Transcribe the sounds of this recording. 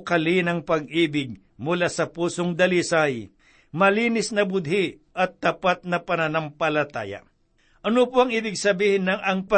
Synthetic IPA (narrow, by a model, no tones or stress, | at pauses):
kɐlinɐŋpɐɡʔiːbɪɡ̚ | mʊlasɐpuːsoŋd̪ɐlisaj | mɐliːnɪsnɐbʊd̪̚hɪʔɐt̪̚ːapat̪̚nɐpɐnɐnɐmpɐlɐt̪a̰ja̰ | ʔɐnopoɐŋiːbɪɡ̚sɐbiːhɪnːɐŋʔɐŋpɐ